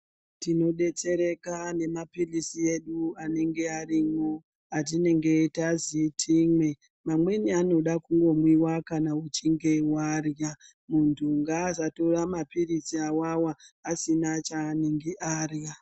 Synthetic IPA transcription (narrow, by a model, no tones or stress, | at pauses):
tino̞ɗe̞t͡se̞ɾe̞kane̞mapilisie̞ɗuane̞ŋɡe̞aɾimo | at̬ine̞ŋɡe̞tazitʰiːmwe̞ | mamwe̞niano̞ɗakuŋɡo̞mwiwakanaut͡ʃiŋɡe̞warja | muntʰuŋɡaːzato̞ramapirisiawawaːsinat͡ʃaːneŋɡiʔaːrja